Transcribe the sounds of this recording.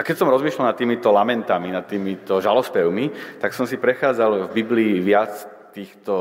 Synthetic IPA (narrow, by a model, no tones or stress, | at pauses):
akɛcsɔmɾɔzmiʃlalnat̪ːiːmit̪ɔlamɛnt̪aminat̪ːiːmit̪ɔʒalɔspɛʊmit̪aksɔmsipɾɛxaːd͡zalvbibliːʋɪat͡s | t̪iːxt̪ɔ